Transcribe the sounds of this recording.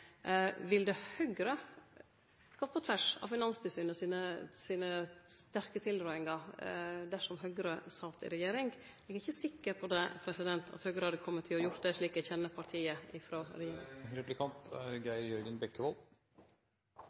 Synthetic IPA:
ʋɪld̪ɛhœɡɾə | ɡ̥oːpʰɔt̪ʰʋæʂɑ̰ʋfɪnɑnst̪ʉsyːnəsiːnəsiːnəst̪æɾkət̪ʰɪld̪ɾɑːɪŋɑ | d̪æʂɔmɦœɡɾəsɑlt̪ɪ̰ɾɛjeːɾɪŋɡ̪ | ɪɡɪçːəsɪkːəɾpʰɔd̪ɛpʰɾɛsɪd̪ɛnt̪ʰɑ̰t̪hœɡɾəhɑɾd̪əkʰɔmːət̪ʰːɪlɔjʊɾt̪̚d̪ɛʂɭiːkɛçɛnːəpʰɑɾʈ̪ʰiːəɪfɾoːɾɛjeːɾɪ̰ŋɾɛplɪkʰɑnt̪æɾɡæɪɾjœɾɡənbɛkːəʋɔlˠ

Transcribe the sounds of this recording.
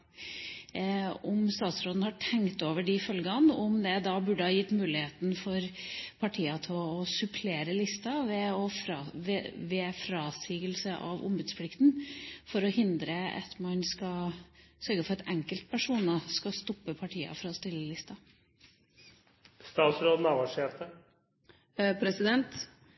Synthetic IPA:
ʊmst̪ɑːt̪sɾoːd̪nhɑʈʰɛŋkt̪oːʋəɖɪfœlɡɑnʊmd̪ɛd̪ɑːbʉɖəhɑːjɪt̪ːmʉːlɪheːt̪nfɔɾpʰɑʈʰiːɑt̪ʰɛlɔsʉpʰleːɾəlɪst̪ɑʋɛɔfɾɑʋɛʋɛfɾɑːsiːɡəlsəʔɑ̰ʋʊ̰mbʉd̪spʰlɪkt̪nfɔɾɔhɪnd̪ɾəɑ̰t̪mɑnskɑsœɾɡəfɔɾɑt̪ʰɛŋkəlt̪̚pʰæʂuːnɑskɑst̪ɔpːəpʰɑʈʰiːɑ̰fɾɑst̪ɪlːəlɪst̪ɑ | st̪ɑːt̪sɾoːd̪nɑːʋɑʂet̪ə | pʰɾɛsɪd̪ɛnt̪

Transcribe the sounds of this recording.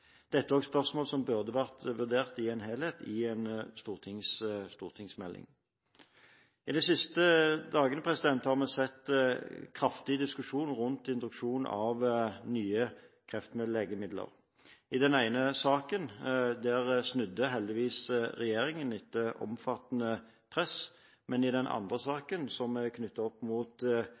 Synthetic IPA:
d̪̥ɛt̪ːəæɔɡspœʁsmoːlsɔmbʉʁd̪əʋæʁt̪ʋʉʁd̪eːʁt̪ɪenɦeːlheːt̪ɪɛnst̪uːʁt̪ʰɪŋsst̪uːʁt̪ʰɪŋsmɛlːʔɪ̰ŋ | ɪd̪ɛsɪst̪əd̪ɑːɡənəpʰʁɛsɪd̪ɛnt̪hɑʁmɛsɛt̪ːkʰʁɑft̪ɪd̪ɪskʉʂuːnʁʉnt̪ɪnt̪ʁʉkʂuːnɑ̰ʋnyːəkʰʁɛft̪mɛleːɡəmɪd̪lə̰ʁ | ɪd̪ɛnæɪnəsɑːkənd̪æʁsnʉd̪ːəɦɛld̪ɪʋiːsɾɛjeːɾɪŋənɪt̪ːəʔɔ̰mfɑt̪ːənə | pʰʁɛs | mɛnɪd̪ɛnʔɑ̰nd̪ʁəsɑːkənsɔmɛkʰnʏt̪ːɑɔpːmuːt̪

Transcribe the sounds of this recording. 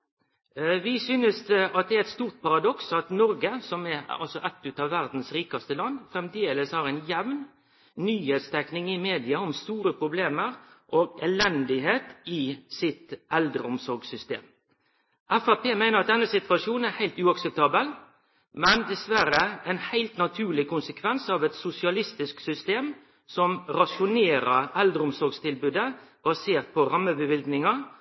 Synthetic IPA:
ʋɪsyːnəsɑt̪̚d̪ɛæɾɪt̪st̪uːʁt̪̚pʰɑɾɑd̪ɔksɑt̪nɔɾɡəsɔmɛɑ̰lsɔʔɛt̪ːʉt̪ɑːʋːæʁd̪n̩sɾiːkɑst̪əlɑnːfɾɛmd̪eːləshɑːɾɛɪnjɛʋn | nyːheːt̪st̪ʰɛknɪŋɪmeːd̪ɪɑɔmst̪uːɾəpɾʊbleːməɾʔoːɡɛlɛnd̪ɪɦeːt̪ɪsɪt̪ʔɛld̪ɾəʊmsɔɾɡsʏst̪ḛːm | ʔæfɑpʰeːmæɪnəʁɑt̪̚d̪ɛnːəsɪt̪ʋɑʃuːnn̩æhæɪlt̪ʉːɑksɛp̚t̪ʰɑːbəl | mɛnd̪ɛsʋæɾəɛnhæɪlt̪nɑt̪ʰʉːlɪkʊnsəkʰʋɛnsɑːʋɛt̪sʊsɪɑlɪst̪ɪsksʏst̪eːm | sɔmɾɑʃʊneːɾəɾɛld̪ɾəʊmsɔɾɡst̪ɪlbʉːd̪əb̥ɑseːʁt̪̚pʰɔɾɑmːəbəʋɪlɡ̪nɪŋɑ

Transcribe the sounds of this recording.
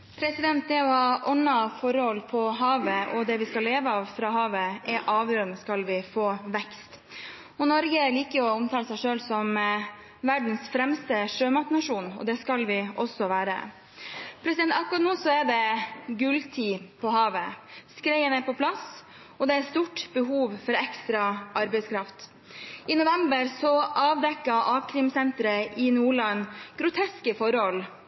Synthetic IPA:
pʰɾɛsɪd̪ɛnt̪̚d̪ɛɔhɑːʔɔnːɑfɔɾəhɔlpʰɔɦɑːʋəʔɔd̪ɛʋɪskɑlːeːʋəɑːʋfɾɑːɦɑːʋəʔɛɾʔɑːʋjøːɾənəskɑlʋɪfoːʋɛkst̪ | ɔnɔɾɡəliːkəɾɔɔmt̪ʰɑːləsæɪʂøːlsɔm | ʋæɖn̩sfɾɛmst̪əʂøːmɑt̪nɑʂuːnɔ̰d̪ɛskɑlʋɪʔɔsːɔʋæːɾə̰ | pʰɾɛsɪd̪ɛnt̪ɑkɑt̪nuːsɔæɖɛɡʉlt̪ʰiːpʰɔhɑːʋəskɾɛɪənɛpɔpʰlɑs | ɔd̪ɛæɾst̪uːʈb̥əɦuːʋfɔɾɛkst̪ɾɑʔɑɾbɛɪskʰɾɑft̪ | ɪnʊʋɛmbəɾsɔʔɑːʋd̪ɛkːɑʔɑːkʰɾɪmsɛnt̪ɾəʔɪnuːɭɑnɡ̥ɾʊt̪ʰɛskəfɔɾhɔl

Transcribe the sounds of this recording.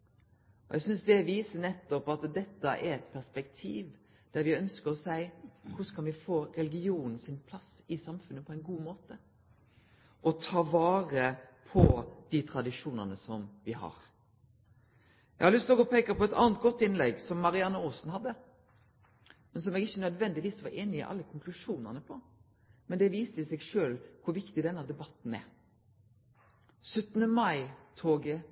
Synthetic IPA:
ɔ̰ʔɛ̰ɡsʏnsd̪ɛʋiːsənɛt̪ːɔpɑt̪d̪ɛt̪ːɑʔɛɾɛt̪pʰæspɛkt̪ʰḭːʋ | d̪̥æɾʋɪœnskəɾɔsæɪkʰʊskʰɑnʋɪfoːɾɛlɡɪuːnn̩sɪnpʰlɑsɪsɑmfʉnːəpʰɔæɪnɡuːmoːt̪ə | ʔɔt̪ʰɑːʋɑːɾəpʰɔd̪̥it̪ʰɾɑd̪ɪʂuːnənəsɔmʋɪhɑ̰ɾ | ɛ̰ɡhɑɾlʏst̪ɔkɔpʰeːkəpʰɔɛt̪ɑ̰ːnət̪̚ɡɔt̪ːɪnlɛɡsɔmːɑɾɪɑnːəoːsnhɑd̪ːə | mɛnsɔmɛːɡɪçːənœd̪ʋɛnd̪ɪʋiːsʋɑɾeːnɪɪ̰ʔɑ̰lːəkʰʊŋkʰlʉʂuːnəʁnəpʰɔ | mɛnd̪ɛʋiːst̪əɪsɛɡʂøːlkʰʊɾʋɪkt̪ɪd̪ɛnːəd̪ɛbɑt̪n̩ɛ̰ɾ | sœt̪ːnəmɑɪt̪ʰoːɡə

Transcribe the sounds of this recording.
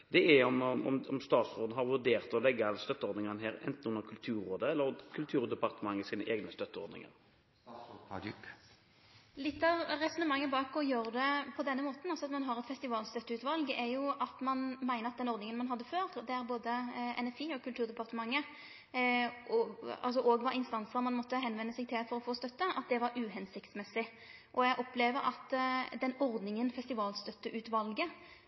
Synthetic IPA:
d̪ɛæɔmɔ̰mɔ̰mst̪ɑːt̪sʁoːd̪n̩hɑɾʋʉʁd̪eːʁt̪ɔlɛɡːəst̪œt̪ːəɔɾd̪nɪŋənəɦæːɾɛ̰nt̪n̩ʉnːəɾkʰʉlt̪ʰʉːɾoːd̪əɛlːəɾkʰʉlt̪ʰʉːɾd̪ɛpɑʁt̪əmɑŋːəsiːnəʔeːɡnəst̪œt̪ːəɔ̰ɾd̪nɪ̰ŋə̰ɾ | lɪt̪ːɑʋʁɛsɔnəmɑŋːəbɑːkɔjøːɾd̪ɛpʰɔd̪ɛnːəmoːt̪n̩ɑlsɔɑt̪mɑnɦɑʁɛt̪fɛst̪ɪʋɑːlst̪œt̪ːəʉːt̪ʋɑlɡæjʊɑt̪mɑnmæɪnəɾɑt̪d̪ɛnɔɾd̪nɪŋənmɑnɦɑd̪ːəføːɾd̪ɛæɾboːd̪əʔɛ̰nɛfiːɔkʰʉlt̪ʰʉːʁd̪ɛpɑʁt̪əmɑŋːə | ɔɑ̰lsɔʔoːɡʋɑɾɪnst̪ɑnsəɾmɑnmɔt̪ːəɦɛnʋɛnːəsɛɡ̚t̪ʰɪlfɔɾɔfoːst̪œt̪ːəʔɑt̪̚d̪ɛʋɑɾʉːɦɛnsɪkt̪smɛsɪ | ʔɔɛɡʔɔpleːʋəɾʔɑ̰t̪ːd̪ɛnɔʁd̪nɪŋənfɛst̪ɪʋɑːlst̪œt̪ːəʔʉːt̪ʋɑlɡə

